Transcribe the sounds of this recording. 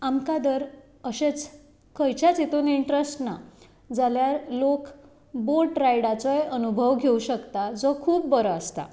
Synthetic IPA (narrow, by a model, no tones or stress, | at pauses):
amkad̪əɾ | əɕet͡s | kəjt͡ɕat͡sit̪oniɳʈɾesʈna | d͡zaljaɾlok | boʈɾajɽat͡sɔjənubʱəʋɡʱeuɕəkt̪ad͡zɔkʰuːpːəɾəəst̪a̰